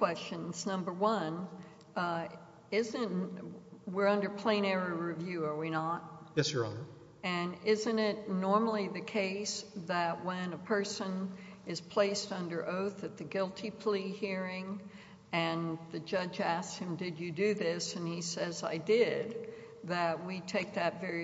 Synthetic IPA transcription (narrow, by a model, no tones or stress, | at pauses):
kʰw̥ɛst͡ʃɨ̃nz̥nʌ̃mbə˞wʌ̃n | ɪzɨ̃nt | wɪɹʌ̃ndə˞pʰl̥ẽɪ̃ɾ̃ɛɹiɹivjʉə˞winət̚jɛsə̰˞ | ɨ̃nɪzɨ̃ñɪt̚ⁿnɔɹml̩ˠiðɨkʰeɪsðɨt̚wə̃nəpʰɜ˞sə̃n | ɨz̥pʰl̥eɪstʌ̃ndə˞ʔoʊθɨt̪̚ðɨɡɪlˠtʰipʰl̥ihiɹɪ̃ŋ | ɨ̃nðɨd͡ʒʌd͡ʒæshɨ̃mdɨd͡ʒɨdɨðɪsɨ̃nisɛzaɪdɪd̪̚ | ðɨt̚witʰeɪk̚ðɨtvɛɹi